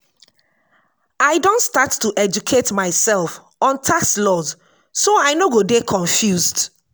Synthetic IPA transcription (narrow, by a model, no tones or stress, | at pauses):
aɪdõntstatːuʔɛd͡ʒukʰetmaɪsɛlˠf | ɔ̃ntʰaslɔz | soaɪnoɡodekʰɔ̃ɱfjuzd